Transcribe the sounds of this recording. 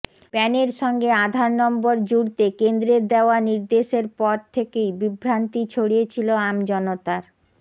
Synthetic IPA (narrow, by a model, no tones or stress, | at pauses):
pɛneɾʃɔŋɡead̪ʱaɾnɔmboɾd͡ʑuɽt̪ekend̪ɾeɾd̪eoaniɾd̪eʃeɾpɔɾt̪ʰekejbibɾant̪it͡ɕʰoɽijet͡ɕʰiloamd͡ʑɔnot̪aɾ